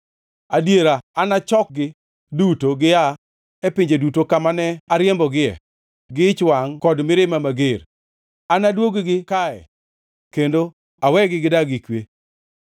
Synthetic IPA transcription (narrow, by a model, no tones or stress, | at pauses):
adjeɾaanat͡ʃɔk̚ɡɪ | dutoɡɪa | ɛpɪɲd͡ʒedutokamanɛaɾjembɔɡɪɛ̰ | ɡɪt͡ʃwaŋkɔdmɪɾɪmamaɡeɾ | anadwoɡɡɪkaɛ̰ | kendo | awɛɡɪɡɪdaɡɪkwe